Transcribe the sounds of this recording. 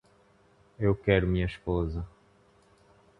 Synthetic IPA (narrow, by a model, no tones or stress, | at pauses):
ewkɛɾumĩɲɐiʃpozɐ